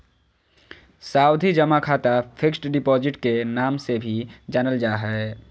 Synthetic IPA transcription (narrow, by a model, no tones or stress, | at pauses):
saːʊd̪ʱid͡ʒɐmakʰaːt̪apʰɪksʈɖɪpɔːzɪʈkenaːmsebʱid͡ʒaːnəld͡ʒaːɦɛ